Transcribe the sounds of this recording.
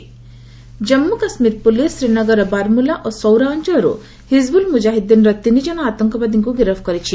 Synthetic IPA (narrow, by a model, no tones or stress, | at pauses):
d͡ʒɐmːukɐsmiːɾpulisːɾinɐɡəɾɐbaɾmulaʔɔsɔwɾaːnd͡ʒəɾṵ | hizbulmud͡ʒaːɦid̪inɾɐt̪inid͡ʒɐnaaːt̪ɐŋkɔbad̪iŋkuɡiɾəfkɐɾit͡ʃʰi